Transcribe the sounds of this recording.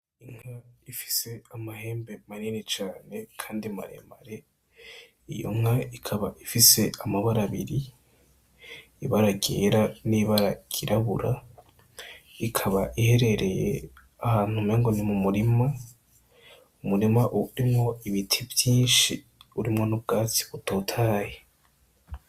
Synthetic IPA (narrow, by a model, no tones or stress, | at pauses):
iŋ̥haifi̥se̞amahe̞ːmbe̞maɾinet͡ʃaːne̞kʰaːndima̰ɾḛma̰ɾe | ijo̞̰ŋ̥aikʰaβaʔifise̞amaβaɾaβḭɾi | iβaɾaɡḛːɾaniβaɾaɡ̥iɾaβṵɾa | ikʰaβaʔihe̞ɾe̞ɾe̞jḛ | ahaːn̥humeːŋɡonimumuɾima | umuɾimaʔuɾimŋo̞iβitʰivjiːnʃi | uɾimŋo̞nub̚ɡaːt͡si̥βutʰoːtʰaːje